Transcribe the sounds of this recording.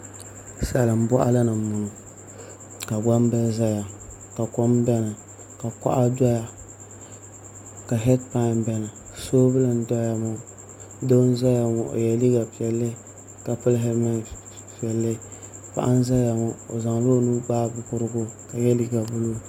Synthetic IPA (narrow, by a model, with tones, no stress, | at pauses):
sa˨lɨ˨m˦bɔ˦ʔa̰˦la˦nɨ˨mu˨nʊ˨ | ka˨ɡ͡ba˦m˦bɨ˦za˦ja˨ | ka˨ko˦mbɛ˦nɨ˨ | ka˨ka̰˦ʔa˦dɔ˦ja˨ | ka˨ɦɛ˦dpa˦ɪ˨mbɛ˦nɨ˨soː˦bɨ˦lɨ˨n˦dɔ˦ja˨mʊ˦ | do˦n˦za˦ja˨ŋo˨ʔo̰˨jɛ˨li˦ɡa˨pi˨ɛ˨lːɨ˦ | ka˨pɨ˦lɦɛ˦ma˦˨ | pi˨ɛ˨lːɨ˦pa̰˨ʔa˦n˦za˦ja˨mʊ˦o̰˨za˨ŋlo˦nu˦baː˦bɨ˨kʊ˦ɾɨ˦ɡʊ˦ka˨jɛ˦li˦ɡa˨bʊ˦lo˦